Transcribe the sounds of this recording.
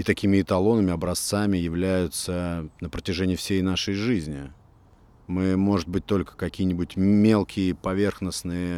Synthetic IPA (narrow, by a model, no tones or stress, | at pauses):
it̪ɐkʲimʲɪːt̪ɐlˠo̞nəmʲɪɐbɾɐst̪samʲɪjɪvlʲæjʊt̪sənəpɾətʲɪʐɛnʲɪːfsʲejnaʂəjʐɨzʲnʲɪ | mɨmo̞ʐɨt̪̚bɨt̚ʲt̪o̞lʲkə̥kɐkʲijənʲɪbʊtʲmʲe̞lˠkʲɪjəpɐvʲe̞rxnəsnɨjəə